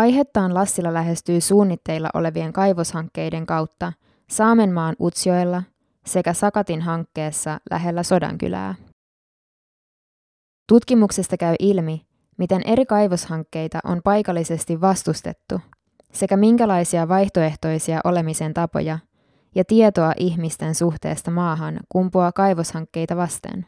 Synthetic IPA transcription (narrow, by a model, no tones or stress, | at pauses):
ʔɑjɦe̞t̪ːɑːnlɑsːilːɑlæɦe̞st̪yːsuːnːit̪ːe̞jlːɑ̰ʔo̞̰le̞ʋie̞ŋkɑjʋo̞shɑŋkːe̞jde̞ŋkɑwt̪ːɑ | sɑːme̞mːɑːnʔut̪sio̞jlːɑ | se̞kæsɑkɑt̪inɦɑŋkːe̞ːsːɑlʔæ̰ɦe̞lːæso̞dɑ̰ŋk̟y̰læ̰ː | t̪ut̪kimukse̞st̪ɑkæɥʔilmi | mit̪e̞nʔe̞ɾikɑjʋo̞shɑŋkːe̞jt̪ɑ̰ʔo̞̰mpɑjkɑlːise̞st̪iʋːɑst̪ust̪e̞̰t̪ːu | se̞kæmiŋkælɑjsiɑʋɑjçt̪o̞e̞ht̪o̞jsiɑʔo̞le̞mise̞nt̪ɑpo̞̰jɑ | jɑt̪iet̪o̞ɑʔiçmist̪e̞nsuxt̪e̞̰ːst̪ɑmɑːɦɑnkumpuɑkɑjʋo̞shɑŋkːe̞jt̪ɑʋɑst̪ḛn